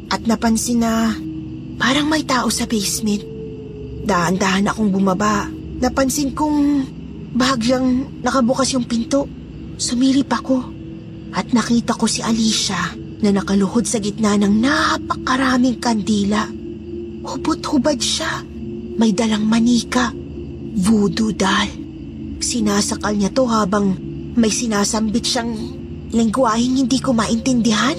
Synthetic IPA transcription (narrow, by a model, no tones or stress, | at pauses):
ʔɐt̪̚nɐpɐnsɪnɐ | paːɾɐŋmɐjt̪aːʔo̞sɐbɛjsmɛnt̪̚ | d̪aʔɐnd̪aːhɐnɐkoŋbʊmɐba | nɐpɐnsɪnkʊŋ | bɐhɐɡʎɐŋnɐkɐbʊkɐsjʊŋpɪnt̪o̞ʔ | sʊmiːlipɐko̞ | ʔɐt̪̚nɐkiːt̪ɐko̞siʔɐliːʃɐ | nɐnɐkɐlʊhod̪sɐɡɪt̪̚nanɐŋnapɐkɐɾaːmɪŋkɐnd̪iːlɐ | hʊbʊt̪hʊbɐd̪ʃa | mɐjd̪ɐlɐŋmɐniːkɐ | vud̪ʊd̪al | sɪnaːsɐkɐlɲɐt̪o̞haːbɐŋ | mɐjsɪnaːsɐmbɪt̪ʃaŋ | lɐŋɡʊwaːhɪŋhɪnd̪iːkomaʔɪnt̪ɛnd̪ɪɦan